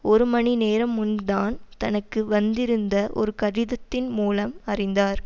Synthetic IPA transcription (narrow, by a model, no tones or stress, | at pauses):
ɔɾɯmɐnineːɾɐmːʊnðaːnt̪ɐnɐkːɯʋɐnd̪ɪɾɯnd̪ɐʔɔ̰ɾɯkɐɽɪðɐt̪ːɪnmuːlɐmɐrɪnd̪aːɾ